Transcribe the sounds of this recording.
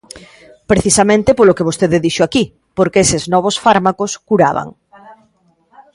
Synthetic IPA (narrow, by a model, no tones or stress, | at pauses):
pɾeθisamẽnt̪epolokeβ̞ost̪eðeðiʃoaki | poɾkeeseznɔβ̞osfaɾmakoskuɾaβa̰ŋ